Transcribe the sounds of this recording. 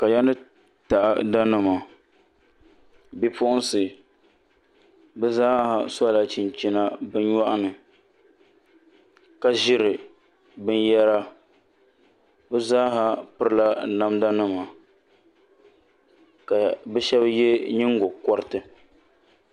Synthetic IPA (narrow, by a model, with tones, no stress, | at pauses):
ka˨ja˦nɨ˦ | ta˨ʔa̰˨da˦nɨ˦ma˨ | bi˦pʊ˦ʔʊ˦n˦sɨ˨ | bɨ˦zaː˦ha˨sa˦˨la˦t͡ʃi˨nt͡ʃi˦na˦bɨ˦n˦ɲa˦ʔa˦nɨ˨ | ka˦ʒɪ˦ɾɨ˨ | bɨ˦njɛ˦ɾa˦ | bɨ˦zaː˦ɦa˦pɨ˦ɾɨ˦la˦na˦mda˦nɨ˦ma˨ | ka˨bɛ˦ʃɛ˦bje˦ɲi˦ŋɡo˨kɔ˦ɾɨ˦tɨ˨